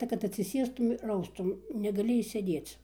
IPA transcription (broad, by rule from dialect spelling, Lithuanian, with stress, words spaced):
tɐ kɐt ɐtʲsʲɪˈsʲeːstʊm ɪr ˈɐʊstʊm nʲɛɡɐˈlʲɪ ɪʃʲsʲeːˈdʲeːt͡s